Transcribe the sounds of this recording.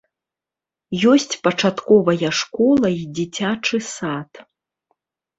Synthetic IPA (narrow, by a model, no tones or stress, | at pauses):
jɔsʲt͡sʲpɐt͡ʂat̪kɔvɐjɐʂkɔlˠɐjid͡zʲit͡sʲat͡ʂɨsat̪